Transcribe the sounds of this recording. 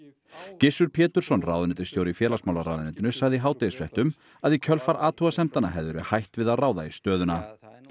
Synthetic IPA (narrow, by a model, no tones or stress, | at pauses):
cɪsʏɾpʰjɛːt̪ʏɾ̥sɔnra̰wðʏnɪnt̪ɪ̥st̪jowɾɪfjɛːlasmawlaɾa̰ːwðʏnɪnt̪ɪnʏsaɣðɪɦaːwt̪ɛjɪsfɛht̪ʏm | aðicʰœlfaɾaːt̪ʰuɣasɛm̥t̪anːa̰ɦɛvðʏɾɪhajht̪vɪðaðraːwðaist̪œːðʏna